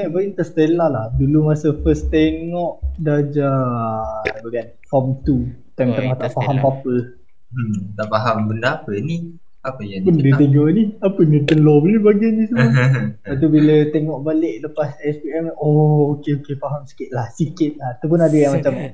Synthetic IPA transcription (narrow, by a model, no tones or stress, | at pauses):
maʔbəint̪əst̪elahlahdulumasəfəst̪eŋɔʔdad͡ʒa | bəɡan | fɔmt̪ut̪amt̪amaht̪aʔfaɦampapə | t̪aʔfaɦambəndaapəni | apəjapundət̪əɡɔniapənət̪ənlɔbəlibaɡanisəəpat̪̬ubilət̪eŋɔʔbaleʔləpasɛspiɛmɔokeokefaɦamsi̥kɪt̪̚lahsikɪt̪̚lat̪apʊnadəamat͡ʃam